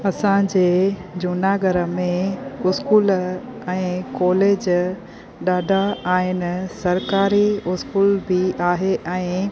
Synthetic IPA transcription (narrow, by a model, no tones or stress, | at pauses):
ɐsãd͡ʑeːd͡ʑʊnaːɡəɾəmẽʊskuːlɛ̃ːkɔːleːd͡ʑ | ɗaːɖʱaaːɦɪn̆sɐɾkaːɾiʊskuːlbʱiʔaːɦeʔɛ̃ː